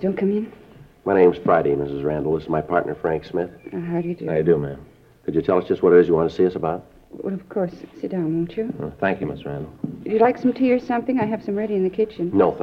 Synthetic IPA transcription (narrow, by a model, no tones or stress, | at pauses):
d̥õʊ̃nkʰʌ̃mɪ̃nmaɪɾ̃ẽɪ̃mz̥fɹaɪɾemɪsɨzɹæ̃ndˡl̩ˠɪszmaɪpʰɑ̰ɹtⁿnə̰˞fɹæ̃ŋksmɪθɦaʊɾɨjɨdɨɨdɨmæ̃m | kʰɨd͡ʒɨtʰɛlˠʌsʒ̥ʌst̚wʌɾə˞ɨzjɨwɑ̃ntʰɨsiʌsəbaʊt̚ | wə̰ʌv̥kʰɔɹsːɪt̚d̥ãʊ̃nwõʊ̃nt͡ʃɨθæ̃ŋkjɨmɪsɹæ̰̃ndˡl̩ˠjɨlaɪksʌ̃mtʰiɹ̥sʌ̃mθɪ̃ŋaɪɨv̥sʌ̃mɹɛɾiɨ̃nðɨkʰɪt͡ʃɨ̃nnoʊθ